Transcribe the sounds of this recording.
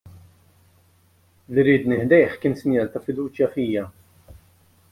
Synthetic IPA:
liɾiːd̪nɪħd̪ɛjħkɪːnsɪnjɐːlt̪ɐfɪd̪uːt͡ʃjɐfiːjɐ

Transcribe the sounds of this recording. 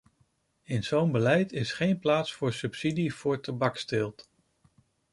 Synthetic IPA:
ɪnz̥ownbəlɛjtɪsχejnplaːtsfʊːɹsɵpsidiv̥ʊːɹtabɑkstɪlˠt

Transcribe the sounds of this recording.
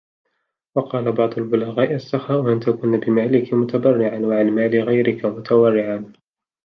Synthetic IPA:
wɑqɑːlabɑʕd̪ˤʊlbʊlaɣaːʔɪasːɑxaːʔʊʔant̪akʊnbɪmaːlɪkmʊt̪abɑrːɪʕanwaʕanmaːlɪɣajɾɪkamʊt̪ʰawɑrːɪʕan

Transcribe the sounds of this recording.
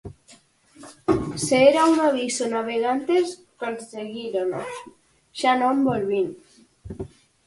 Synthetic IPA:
seeɾaunaβisonaβ̞eɣ̞ant̪es | konseɣiɾonos | ʃanõmbolβin

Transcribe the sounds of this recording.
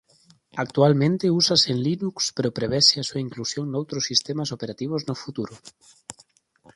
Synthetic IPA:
ak̚t̪ualmẽnt̪eusasenlinukspeɾopɾeβ̞ɛseasuaiŋklusjoŋnowt̪ɾosːist̪emasopeɾat̪iβ̞oznofut̪uɾʊ

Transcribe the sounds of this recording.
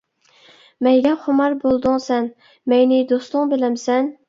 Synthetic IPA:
mɛjɡʲɛχʊmɑɾbolˠd̪ʊŋsɛn | mɛjnɪd̪ost̪lˠʊŋbelɛmsɛn

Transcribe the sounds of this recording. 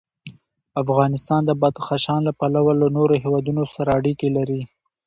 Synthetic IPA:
afɣɑnɪst̪ɑnd̪əbɑd̪xaʃɑnlapalawalanoɾoɦewɑd̪unosaɾaːɽikelaɾi

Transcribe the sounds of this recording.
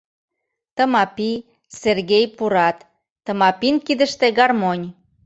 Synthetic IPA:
t̪ə̆mɑpi | serɣejpuɾɑt̪ː | ə̆mɑpinkid̪ə̆ʃt̪eɡɑrmonʲ

